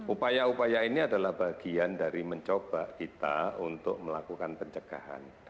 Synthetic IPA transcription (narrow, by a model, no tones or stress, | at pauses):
ʔupajaupajainiadalahbaɡ̥iandaɾiməɲt͡ʃob̥akit̪a̰unt̪ʊk̚məlakukanpəɲt͡ʃəɡ̥aɦa̰n